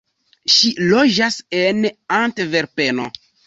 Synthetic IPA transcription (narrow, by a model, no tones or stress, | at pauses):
ʃilo̞d͡ʒasenantve̞ɾpe̞no̰